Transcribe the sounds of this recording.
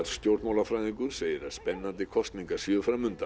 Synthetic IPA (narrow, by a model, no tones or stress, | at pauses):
st̪jowɾt̪maːwlafɾajðiŋkʏɾ̥seːjɪɾaspɛnːant̪ɪkʰɔst̪niŋkḁsjʏːðʏfɾamʏnt̪a